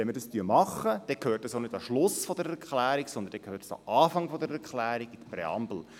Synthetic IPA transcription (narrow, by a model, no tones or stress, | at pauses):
ʋɛnmədɑst̪yəmɑχːəd̥ɛkʰøːrtəsonɪdɑʃlʊsfɔd̪əɾɛkχlæːɾiksɔnd̪əndɛkʰhøːrtə̥sɑ̰ʔɑːfɑŋfɔd̪əɾɛɾklæːɾiɡid̥əprɛɑ̰mbl̩